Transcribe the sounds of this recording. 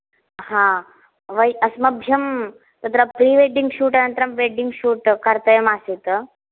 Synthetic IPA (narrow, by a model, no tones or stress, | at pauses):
ɦã | ʋɐjʔɐsmɐbʱjɐm | t̪ɐt̪ɾɐpɾiːʋeɖiŋɡɕuːʈɐnɐnt̪ɾɐmʋeɖiŋɡɕuːʈkɐɾt̪ɐjɐmaset̪ə